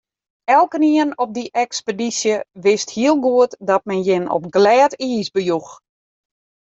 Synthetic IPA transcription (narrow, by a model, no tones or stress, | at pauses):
ɛlˠkəniənɔp̚diʔɛkspədisjəʋɪsthiəlˠɡuətdɔt̚mɛnjɪnɔ̰pɡlɛːtiːsbəjux